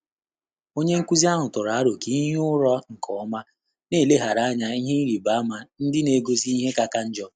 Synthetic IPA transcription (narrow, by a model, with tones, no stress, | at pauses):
o˦ɲe˦ŋ̩˦kʷu˦zi˦a˦ɦʊ˨tʊ˨ɾa˨a˦ɾo˨ki˦ɲ˦ʊ˦ɾɔ˦ŋ̩˨kʰɔ˨˦ma˦ | ne˦˨le˦ɦa˨ɾa˨˦ɲa˦i˦ɦe˦i˦ɾi˨ba˨˦ma˨n̩˦dɪ˦ne˨ɡo˦zi˦i˦ɦe˦ka˨ka˦n̩˦d͡ʒɔ˦